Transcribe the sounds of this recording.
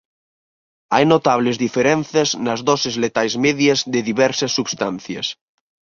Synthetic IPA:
ajnot̪aβ̞lezðifeɾɛn̟θjɐznɐzðɔsezlet̪ajzmeðjazðeðiβɛɾsɐsːuβst̪anθjɐ̰s

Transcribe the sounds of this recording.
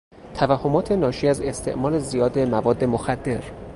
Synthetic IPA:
t̪ʰævæhːo̞mɒːt̪ʰe̞nɒːʃiːæze̞st̪ʰe̞ʔmɒːle̞zijɒːd̪e̞mævɒːd̪ːe̞moxæd̪ːe̞ɾ

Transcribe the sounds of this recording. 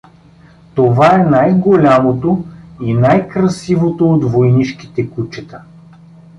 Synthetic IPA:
t̪ovaɛnajɡolʲamot̪oinajkɾɐsivot̪oːd̪vojniʃki̥t̪ɛkut͡ʃɛt̪ə

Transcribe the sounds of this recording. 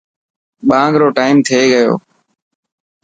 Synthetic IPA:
ɓãːŋɡɾoːʈaːɪmt̪ʰeːɠəjo̰ː

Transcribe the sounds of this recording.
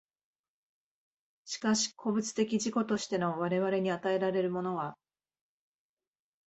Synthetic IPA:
ɕi̥kaɕi̥kʰo̞bɯ̟t͡sɨ̥t̪e̞kʲiʑiko̞t̪o̞ɕi̥t̪e̞no̞βaɾe̞βaɾe̞ɲ̟iat̪ae̞ɾaɾe̞ɾɯ̟mo̞no̞βa

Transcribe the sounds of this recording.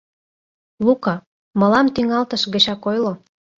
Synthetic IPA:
lukɑ | mə̆lɑmt̪yŋɑlt̪ə̆ʃɣə̆t͡ɕɑkojlo

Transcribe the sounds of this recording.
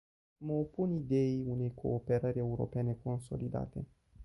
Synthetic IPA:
məopunid̪e̞iune̞jkʰo̞̰ːpe̞ɾəɾʲe̞uɾo̞̰pene̞ko̞nso̞̰lid̪a̰t̪e

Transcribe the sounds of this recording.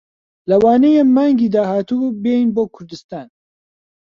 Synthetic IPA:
lɐwaːnejemmːaːŋɡiːd̪aːhaːt̪uːbejinboːkʰʊɾd̪ɨst̪aːn

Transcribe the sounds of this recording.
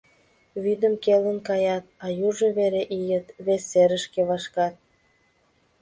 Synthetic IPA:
βid̪əmkelənkɑjɑt̪̚ɑjuʒəβeɾeʔijə̆t̪βesːeɾəʃkeβɑʃkɑt̪̚

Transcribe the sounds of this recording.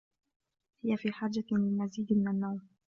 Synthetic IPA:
hɪjafiːħaːd͡ʒːalɪlmaziːd̪mɪnanːawm

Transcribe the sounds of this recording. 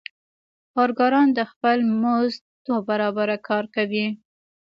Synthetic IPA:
kɑɾɡɑɾɑnd̪əxpəlmoz | d̪̥wabaɾɑbaɾakʰɑɾkawi

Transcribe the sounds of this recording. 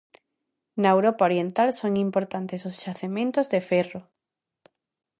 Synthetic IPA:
naewɾopaoɾjent̪alsoŋimpoɾt̪ant̪esosʃaθemẽnt̪ozðefɛro

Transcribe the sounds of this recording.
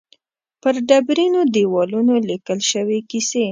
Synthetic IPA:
pəɾɖabɾinod̪ewɑlunolikəlʃəwekise

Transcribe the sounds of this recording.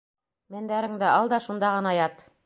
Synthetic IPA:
mæ̆nd̪æɾɘ̆ŋd̪æɑlˠd̪ɑʃund̪ɑʁɤ̆nɑjɑt̪

